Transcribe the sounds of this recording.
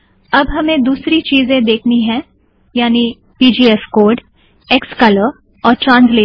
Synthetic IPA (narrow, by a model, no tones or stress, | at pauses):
ɐbɦɐmẽd̪uːsɾit͡ʃiːzẽd̪eːkʰniɦɛ̃ | jaːni | piːd͡ʒiːɛfkoːɾɖ | eːkskɐləɾ | ɔːɾʈɾãːnsleː